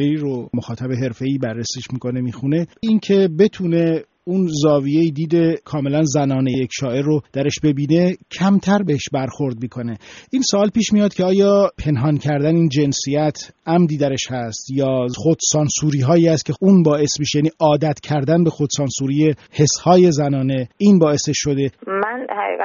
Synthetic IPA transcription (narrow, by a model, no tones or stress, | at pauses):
eiɾomoxɒːt̪ʰæbeɦe̞ɾfe̞iːbærːesiːʃmiːko̞ne̞miːxune̞incʰe̞be̞t̪ʰuːne̞ | unzɒːvije̞iːd̪iːd̪e̞kʰɒːme̞lænzænɒːnejjecʃɒːe̞ɾːod̪̥æɾe̞ʃbe̞biːne̞cʰæmt̪ʰæɾbeheʃbæɾxo̞ɾd̪̚miːkʰo̞ne̞ʔiːnsoːlpiːʃmijɒːd̪̥̚kcʰeɒːjɒːpʰe̞nɦɒncʰæɾd̪æneiːnd͡ʒe̞nsijæt̪ʰʔæmd̪iːd̪æɾeʃhæst̪jɒːxod̪̥sɒnsuːɾiːɦɒːjiːæst̪̚cʰe̞uːnbɒːʔe̞smiʃejæːniːʔɒːd̪æt̪ʰcʰæɾd̪ænbe̞xo̞d̪̥sɒːnsuːɾiːjehe̞shɒːje̞zænɒːne̞iːnbɒːe̞seʃːo̞d̪e̞mænhæḭː